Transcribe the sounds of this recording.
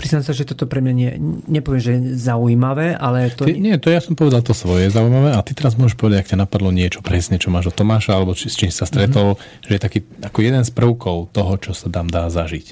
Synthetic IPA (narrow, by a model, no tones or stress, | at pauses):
pɾiznamsaʒɛt̪ɔt̪ɔpɾɛmɲaɲɪɛ̰ɲɛpɔʋjɛmʒɛzauimaʋɛːʔalɛt̪ɔiɲɪɛt̪ɔjasɔmpɔʋɛd̪alt̪ɔsʋɔjɛɛzaujimaʋɛːʔat̪it̪ɛɾazmʊɔʒɛʃpɔʋɛd̪aɟakcanapad̪lɔɲɪɛt͡ʃɔ̥pɾɛsɲɛt͡ʃɔmaːʒɔt̪ɔmaːʃaalɛbɔt͡ʃist͡ʃiːmsi̥sast̪ɾɛt̪ɔl | ʒɛjɛt̪akiːakɔjɛd̪ɛnspr̩ʊkʰɔʊt̪ɔɦɔt͡ʃɔsad̪aːmd̪aːzaʒic